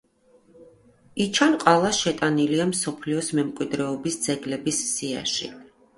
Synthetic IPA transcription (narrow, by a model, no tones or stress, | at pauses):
it͡ʃʰanqʼalˠaʃɛt̪ʼaniliamsɔpʰliɔsmɛmkʼwid̪ɾɛɔbisd̪z̥ɛɡlɛbisːia̰ʃḭ